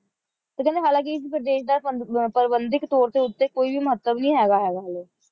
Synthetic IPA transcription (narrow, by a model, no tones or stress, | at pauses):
t̪ekɛ̃nd̪eːɦaːlãːk̬iɪsipɾəd̪eːʃd̪aːpəɾbənd̪ɪkt̪oːɾt̪eːʊt̪ːeːkoːibiməɦət̪ːəbnəĩːɦɛːɡaːɦɛːɡaːleː